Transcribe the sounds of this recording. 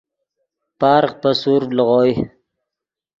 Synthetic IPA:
pɑːɾqpasuɾləʁoj

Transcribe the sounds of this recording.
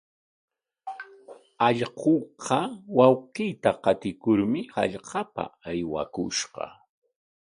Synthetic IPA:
ɑʎqoqʰɑwawqɪjt̪aqɑt̪ɪkʊɾmɪha̰ʎqɑpa̰ajwa̰kʊ̰ʃqɑ̰

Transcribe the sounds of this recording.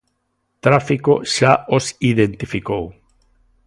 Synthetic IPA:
t̪ɾafikoʃaosiðẽnt̪ifikow

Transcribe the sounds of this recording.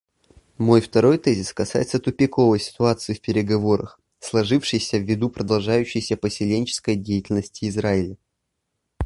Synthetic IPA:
mo̞jft̪ɐɾo̞jt̪ɛzʲɪskɐsa̰jɪt̪sət̪ʊpʲɪko̞vəjsʲɪ̥t̪ʊat̪sɨɪfpʲɪɾʲɪɡɐvo̞ɾə̰x | slˠɐʐɨfʂɨjsʲəvʲːɪd̪upɾəd̪ɐlˠʐajʉɕːɪjsʲəpəsʲɪlʲenʲt͡ɕɪ̥skəjdʲejɪtʲɪlʲnəsʲtʲɪːzɾaɪlʲɪ

